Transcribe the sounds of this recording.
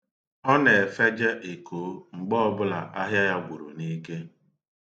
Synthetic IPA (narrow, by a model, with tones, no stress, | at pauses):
ɔ˦ne˨e˨fe˦d͡ʒe˦ʔe˨kʰoː˨˦ŋ͡m̩˨ɡ͡bɔ˦bʊ˦la̰˨ʔa˦ɦja˦ja˦ɡʷu˨ɾṵ˨ni˦ke˦